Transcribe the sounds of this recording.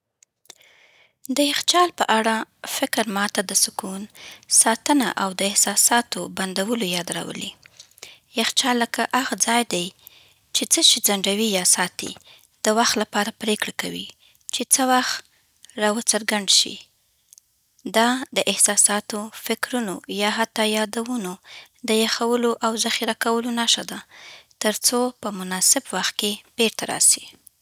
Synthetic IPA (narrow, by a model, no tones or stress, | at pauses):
d̪əjɪxt͡ʃɑlpəʔaɽafɪkɾmɑt̪ad̪əsʊkunsɑt̪əna̰ʔawd̪əɪhsɑsɑt̪oband̪awəlojɑd̪ɾa̰wə̰li | jaxt͡ʃɑlːəkaʔaɣad͡zɑjd̪aj | t͡ʃet͡səʃid͡zaɳɖawijɑsɑt̪ḭ | d̪̥əwaxt̪lapɑɾapɾekɽakawḭ | t͡ʃet͡səwaxt̪ | ɾɑwət͡səɾɡaɳɖʃḭ | d̪ɑd̪əʔɪhsɑsɑt̪ofɪkɾunojɑɦat̪ːɑjɑd̪awuno | d̪əjaxawəloʔawzaxiɾakawəlonaʃad̪at̪əɾt͡sopəmʊnɑsɪbwaxt̪̚keb̥eɾt̪aɾɑ̰si̥